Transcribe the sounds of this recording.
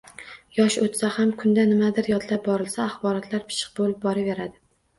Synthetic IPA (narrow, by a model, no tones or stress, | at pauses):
jɒʃot̪sahamkʰʊnd̪anɪmad̪ɪɾjɒt̪lap̚bɒɾɪlsaːχbɒɾɒt̪ʰlaɾpʰɪ̥ʃɪ̥q̚bolɪp̚bɒɾave̞ɾad̪ɪ